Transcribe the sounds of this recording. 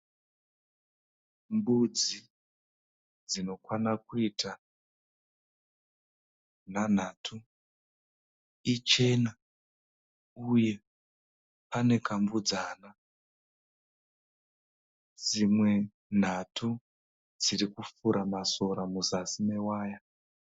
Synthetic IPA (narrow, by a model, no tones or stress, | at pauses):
mbud͡zi | d͡zino̞kwanakuiːta | n̤an̤atʰu | it͡ʃe̞na | uje̞ | pane̞kambud͡zaːna | d͡zimwe̞ | n̤atʰu | d͡ziɾikufuɾamaso̞ɾamuzasimewaːja